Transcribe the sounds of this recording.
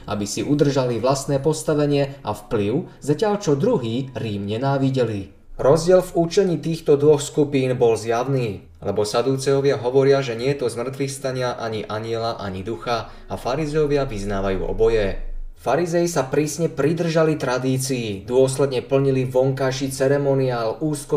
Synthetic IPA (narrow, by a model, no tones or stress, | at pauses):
ʔa̰bisiʔud̪r̩ʒaliʋlast̪nɛːpɔst̪aʋɛɲɪɛʔafpliʊzacɪaʎt͡ʃɔd̪ɾuɦiːɾiːmɲɛnaːʋiɟɛli | ɾɔzɟɪɛlvut͡ʃɛɲiːt̪iːxt̪ɔd̪ʋɔxskupiːnbɔlzjaʊniː | lɛbɔsad̪uːt͡sɛjɔʋɪaɦɔʋɔɾɪaʒɛɲɪɛt̪ɔzmr̩t̪ʋixst̪aɲɪaʔaɲiʔaɲɪɛlaʔa̰ɲid̪uxa | afaɾizɛjɔʋɪaʋiznaːʋajṵːʔɔ̰bɔjɛfaɾizɛjisapɾiːsɲɛpɾid̪r̩ʒalit̪ɾad̪iːt͡siːd̪ʊɔslɛd̪ɲɛpl̩ɲiliʋɔŋkajʃiːt͡sɛɾɛmɔniaːluːskɔ